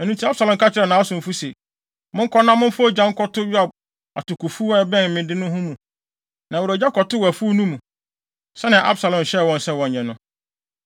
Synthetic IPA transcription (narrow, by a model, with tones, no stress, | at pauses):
ɛ˨nũ˦ntʰi˦a˦bsa˨lɔ̃˨m˨kʰa˦t͡ɕʰɪ˦ɾɛ˨nã˨˦a˦sʊ̃˨m̩˨fu˦se˨ | mʊ̃˦ŋ̩˦kʰɔ˦nã˦mʊ̃˦m˦fʊ˦ɔ˦d͡ʑã˦ŋ̩˦kʰɔ˦tʰʊ˦ju˦a˨b̚ | a̰˨tʊ˨kʰu˨fu˦a˦bɛ̃˦n˨mɪ̃˨dɪ˦nʊ̃˦ɦʊ̃˦mũ˨ | nã˨wʊ˨ɾɔ˨d͡ʑa˦kʰɔ˨tʊ˦wɔ˨æ˨fu˦nũ˦mũ˨ | sɛ˦nɪ̃˨ʔa̰˦bsa˨lɔ̃˨m˨ɕɛ˦˨wɔ̃˨n˨sɛ˦wɔ̃˨ɲ˨ɲɛ̃˨nʊ̃˦